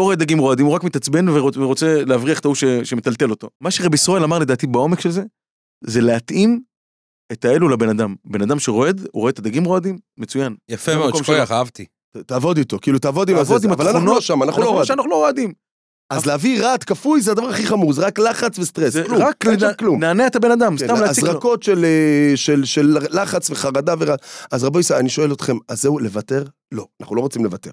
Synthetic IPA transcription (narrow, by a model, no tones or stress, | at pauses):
loʁoed̪aɡimʁo̞ad̪imuʁakmit̪at͡sbe̞nveʁoveʁot͡se̞leavʁiaχet̪auʃeʃemet̪alt̪e̞lo̞t̪o̞maʃeʁebisʁae̞lamaʁle̞d̪aːt̪ibao̞mekʃelze̞ | ze̞leat̪ʔim | et̪ae̞lulabe̞nad̪ambe̞nad̪amʃeʁo̞e̞d̪ṵʁoe̞t̪ad̪aɡimʁo̞ad̪imːet͡sujanjafemkomʃaχaavt̪i | t̪aːvo̞d̪it̪o̞kiilut̪aːvod̪imvt̪̬imavalanaunoʃamanaχuloʃanaχuloʁoad̪im | ʔazleaviʁat̪kafujzead̪avaʁaχiχamuʁzeʁaklaχat͡svest̪ʁesluʁakklumnaːneet̪abe̞nad̪amstammleaziʁako̞t̪ʃeleʃelʃelːaχat͡sveχaʁad̪aveʁaazʁabojsaaniʃoe̞lo̞t̪χe̞mazeule̞vate̞ʁ | lo̞ana̰χnulo̞ʁot͡simle̞vat̪e̞ʁ